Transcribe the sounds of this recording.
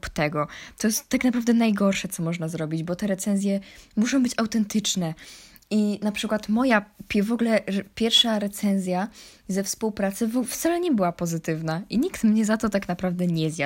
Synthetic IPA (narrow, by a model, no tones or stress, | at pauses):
pt̪ɛɡɔt̪ɔjɛst̪ːaknapɾavd̪ɛnajɡɔɾʂɛt̪sɔmɔʐnazɾɔbʲid͡ʑbɔt̪ɛɾɛt̪sɛnzʲjɛmuʂɔ̃w̃bɘt͡ɕawt̪ɛnt̪ɘt͡ʂnɛ | inapʂɘkwat̪mɔjapʲɛvɔɡlɛpʲjɛɾfʂaɾɛt̪sɛnzʲja | zɛfspuwpɾat̪sɘvɔft̪salɛɲɛbɘwapɔzɘt̪ɘvnaʔiɲikt̪mɲɛzat̪ɔt̪aknapɾavd̪ɛɲɛzʲja